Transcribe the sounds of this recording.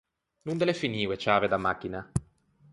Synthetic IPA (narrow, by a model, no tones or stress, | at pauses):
nund̪elefiniːwet͡ʃaːved̪amːakːina